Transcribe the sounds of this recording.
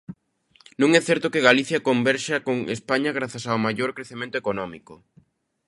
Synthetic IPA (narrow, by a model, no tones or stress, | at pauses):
nũŋɛθɛɾt̪ʊkeɣaliθjɐkombɛɾʃakoŋḛspaɲɐɣ̞ɾaθasawmajoɾkɾeθemẽnt̪oekonɔmikʊ